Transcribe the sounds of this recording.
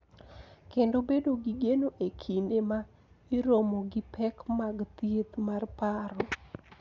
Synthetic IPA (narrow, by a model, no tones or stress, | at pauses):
kendobedoɡiɡenoʔekʰinema | iɾomɔɡipʰɛkmaɡt̪jet̪marpaɾɔ